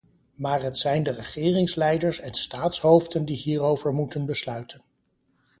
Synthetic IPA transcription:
maːɹɦətsɛjndərəχɪːrɪŋslɛjdəɹsɛndəstaːtsɦowvdəndiɦiːrowvəɹmutənbəslœɥtʰən

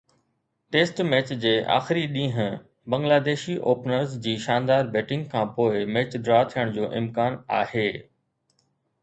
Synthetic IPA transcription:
ʈeːsʈmɛːt͡ɕd͡ʑeːʔa̰ːxɪɾiɗĩːɦə̃ | bɐ̃ŋɡlaːd̪eːʃiʔoːpnəɾzd͡ʑiːʃãːnd̪aːɾbɛːʈɪ̃ŋɡkʰãːpoːɪmɛːt͡ɕd̪ɾaːt̪ʰijəɽ̃d͡ʑoːʔɪ̰mkaːnaːheː

